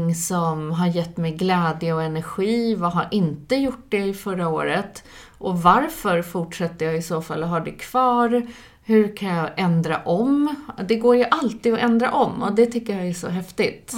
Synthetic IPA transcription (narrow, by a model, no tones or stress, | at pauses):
ŋsɔmɦaɾjɛt̪ːmɛjɡlɛːd̪jəɔɛnæɾɧiːvaːɦaɾʔɪnt̪əjʊʈ̚ːɖɛɪfœɾao̰ːɾət̪ | ʔɔvaɾfœɾfʊʈʂɛt̪ːəjɑːɪsoːfa̰lːɔɦaɖɛkʰv̥ɑːɾ | hɵkʰanjɑʔɛnd̪ɾa̰ʔɔmd̪ɛɡoːɾjɵʔalt̪iːɔʔɛnd̪ɾa̰ʔɔmːɔd̪ɛt̪ʰʏkːəɾjaæʂɔ̰ɦɛft̪ɪt̪